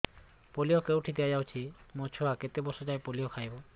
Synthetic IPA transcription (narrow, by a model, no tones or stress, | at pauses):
polijɔkewʈʰid̪ead͡ʒawt͡ʃʰimɔt͡ʃʰɔaket̪ebɔsɔd͡ʒajpolijɔkʰajbɔ